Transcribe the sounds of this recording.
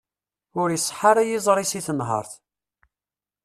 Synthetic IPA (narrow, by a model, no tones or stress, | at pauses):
ʊɾjsˤːħaɾæjizˤɾˤisiθənɦɑ̰ɾˤθ